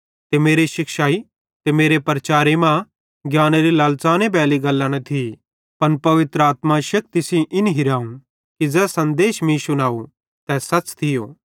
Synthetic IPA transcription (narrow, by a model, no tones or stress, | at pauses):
t̪emeːɾeʃɪkʃaːi | t̪emeːɾepɾɐt͡ʃaːɾemã | ɡjaːneɾilaːlt͡saːnebɛːliɡɐlːañɐt̪ʰi | pɐnpɐʋɪt̪ɾəaːt̪maʃɐk̚t̪ɪsĩʔɪnɦɪɾaːũ | kid͡zɛːsɐ̃nd̪eːʃmĩsʊnaːu | t̪ɛsɐt͡ʃt̪ʰɪjoː